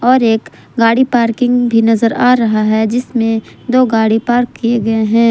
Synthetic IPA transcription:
ɔːɾeːk | ɡaːɽipaːɾkɪ̃ŋɡbʱinɐzəɾaːɾɐɦaɦɛd͡ʒɪsmẽd̪oːɡaːɽipaːɾkːijeɡɐeɦɛ̃ː

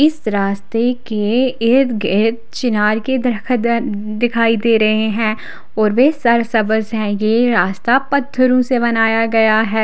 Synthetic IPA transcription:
ɪsɾaːst̪ekeɪd̪ɡɪt̪̚t͡ʃɪnaːɾked̪ʰ | d̪ɪkʰaːid̪eːɾɐɦeɦɛ̃ː | ɔːɾʋesɐɾsɐbəzɦɛ̃jeɾaːst̪apɐt̪ʰːəɾõsebɐnaːjaɡɐjaɦɛː

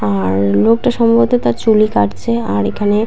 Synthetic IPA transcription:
aɾlok̚ʈaʃɔmbot̪et̪aɾt͡ɕulikaʈt͡ɕʰeaɾekʰane

